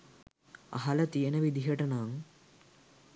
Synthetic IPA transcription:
ɐ̰ɦɐlət̪ijənəʋid̪iɦəʈənaŋ

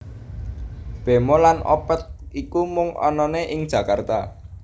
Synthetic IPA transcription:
b̥e̤molanɔ̰pət̪̚ikumʊŋɔ̰nɔneʔɪŋd̥ʒ̥ä̤kart̪a

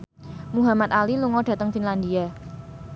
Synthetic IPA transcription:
muɦamat̪̚aliluŋɔɖ̥ä̤t̪əŋfinland̪ia

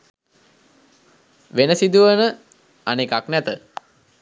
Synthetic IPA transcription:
ʋenəsid̪uʋənə | anekaknæt̪ə

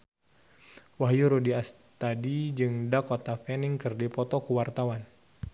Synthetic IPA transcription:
waɦjuɾudias | t̪adid͡ʒɨŋdakɔt̪afɛniŋkɨrdipɔt̪ɔkuwart̪awan

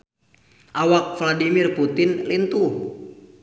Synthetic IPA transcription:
ʔawak̚fladimirput̪ɪnlint̪uh

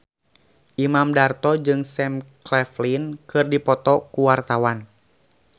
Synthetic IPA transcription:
ʔimamdart̪ɔd͡ʒɨŋsɛmklɛflinkɨrdipɔt̪ɔkuwart̪awan

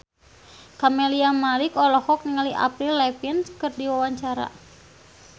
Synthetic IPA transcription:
kameliamalikɔlɔhɔk̚niŋaliʔa̰pɾilːɛpinskɨrdiwawaɲt͡ʃaɾa̰

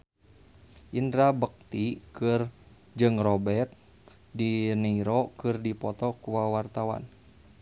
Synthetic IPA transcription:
ʔindɾabək̚t̪ikɨr | d͡ʒɨŋrɔbɛrt̪̚ | dinəiɾɔkɨrdipɔt̪ɔkuwawart̪awa̰n

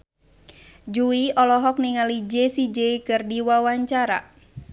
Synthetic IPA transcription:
d͡ʒuiɔlɔɦɔk̚niŋalid͡ʒesid͡ʒeikɨrdiwawaɲt͡ʃaɾa̰

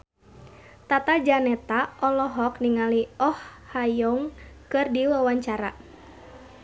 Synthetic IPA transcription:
t̪at̪ad͡ʒanɛt̪aʔɔlɔɦɔkniŋaliɔhhajɔŋkɨrdiwawaɲt͡ʃaɾa

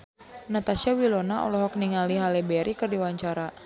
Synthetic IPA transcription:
nat̪asiawilɔnaɔ̰lɔɦɔk̚niŋaliɦalɛbɛɾʔikɨrdiwaɲt͡ʃaɾa

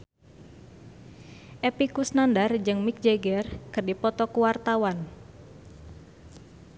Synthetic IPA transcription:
ʔɛpikusnandard͡ʒɨŋmik̚d͡ʒeɡɛrkɨrdipɔt̪ɔkuwart̪awan

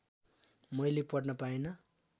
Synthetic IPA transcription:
mʌjlepʌɽnʌpaenʌ

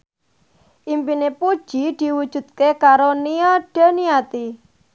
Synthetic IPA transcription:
ʔimpinepud̥ʒ̥id̪̥i̤wud̥ʒ̥ṳd̪̚kekaɾoniaɖ̥a̤niat̪i

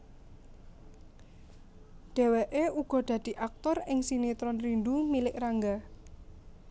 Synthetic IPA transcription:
d̪̥ɛ̤weʔeuɡ̥ɔ̤ɖ̪̥ä̤d̪̥i̤ʔak̚t̪ɔrɪŋsinit̪ɾɔnrind̪umilɪkraŋɡa

